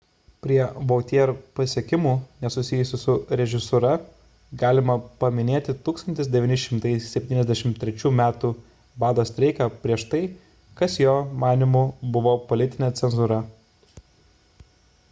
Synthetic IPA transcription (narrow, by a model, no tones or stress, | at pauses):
pʲɾʲiɛʋoːt̪ʲiɛɾpɐsʲiɛkʲɪmuːnʲɛsʊsʲɪjʊsʲʊsʊɾʲɛʒʲɪsʊɾɐ | ɡɑːlʲɪmɐpɐmʲɪnʲeːt̪ʲɪt̪uːkst̪ɐnʲt̪ʲɪsd̪ʲɛʋʲɪːnʲɪʃʲɪmt̪ɐɪsʲɛpʲt̪ʲiːnɛzʲd̪ʲæɛʃʲɪmt̪ʲɾʲɛt͡ʃʲuːmʲæːt̪uː | bɑːd̪oːsʲt̪ʲɾʲɛɪkɐpʲɾʲiɛʃt̪ɐɪ | kɐsjoːmɑːnʲɪmuːbʊʋoːpolʲɪt̪ʲɪnʲet̪sʲɛnzʊɾɐ